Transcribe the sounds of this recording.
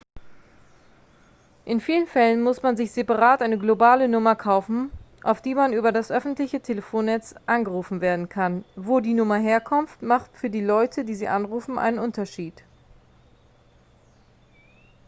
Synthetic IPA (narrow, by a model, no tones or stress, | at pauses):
ʔɪnfiːlənfɛlənmʊsmanzɪçz̥epaʁaːtʔaɪnəɡlobaːlənʊmɐkʰaʊfn̩ʔa̰ʊfd̥iːmanʔyːbɐdasʔœfn̩tlɪçətʰeləfoːnːɛt͡sʔanɡəʁuːfn̩veːɐdn̩kʰanvoːdiːnʊmɐɦeːɐkʰɔmftmaχtfyːɐdiːlɔʏtʰədiːziːʔanʁuːfn̩ʔa̰ɪnənʔʊntɐʃiːt